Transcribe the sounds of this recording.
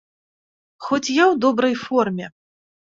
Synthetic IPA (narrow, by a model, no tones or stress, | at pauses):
xɔt͡sʲjawd̪ɔbɾɐjfɔrmʲɛ